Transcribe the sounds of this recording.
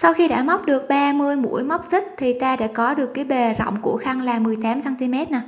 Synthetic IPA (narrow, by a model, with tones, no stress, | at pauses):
sa˧wxi˧ɗa̰ː˧˥˩ma˦˥wk͡p̚ɗɨ˨˩ək̚ɓaː˧mɨ˧əjmṵ˧˥əjma˦˥wk͡p̚sï˦˥k̟̚t̪ʰi˨˩t̪aː˧ɗa̰ː˧˥kɔ˨˦ɗɨ˨˩əkːaː˨˦jɓe˨˩zɔ̰˧˨wŋ͡mku˧˩əxa˧ŋlaː˨˩mɨ˨˩əjt̪aː˨˦msaː˧nt̪i˧mɛ˦˥t̚na˨˩